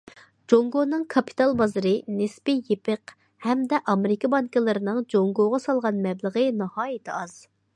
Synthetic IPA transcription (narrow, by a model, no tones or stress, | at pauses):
d͡ʒoŋɡonɨŋkʰɑpʰi̥t̪ʰɑlˠbɑzɨɾɨnespɪjepʰɨq | hɛmd̪ɛʔɑmɪɾɪkɑbɑŋkɨlˠɨɾɪnɨŋd͡ʒoŋɡoʁɑsɑlˠʁɑnmɛblˠəʁənɨhɑːjɪt̪ʰɪɑz̥